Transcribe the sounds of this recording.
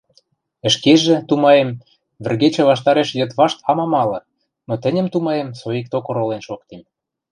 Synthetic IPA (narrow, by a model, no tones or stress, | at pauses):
ə̆ʃkeʒĕt̪umɑjem | βɘ̆rɣet͡ɕĕβɑʃt̪ɑɾeʃjə̆t̪βɑʃt̪ɑmɑmɑlɤ̆ | not̪ɘ̆nʲə̆mt̪umɑjemsojik̚t̪okŏɾolenʃokt̪em